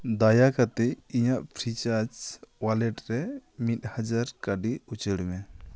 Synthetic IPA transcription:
d̪ajakat̪ɛiɲaʔpʰɾit͡ʃaɾd͡ʒwalɛʈɾɛmit̪̚had͡ʒaɾkaɖiut͡ʃəɽumɛ

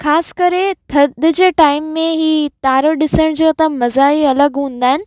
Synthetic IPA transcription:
xʰaːsɪ̥kɐɾet̪ʰɐd̪ʊd͡ʑeːʈaːɪmːẽɦiːt̪aːɾəɗɪsəɽ̃d͡ʑoːt̪ɐmɐzaːiɐləɡɦũːn̆d̪aːɦɪnɪ̆

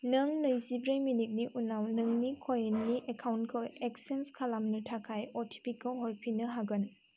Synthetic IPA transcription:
nɐŋnɯjzibɾəjminik̚niʔunawnɯŋnikʰojnːiʔekʰawnkʰɯeksenskʰalamnɯtʰakʰajɔtʰi̥pʰikalɦɔlpʰinɯɦaɡɯn

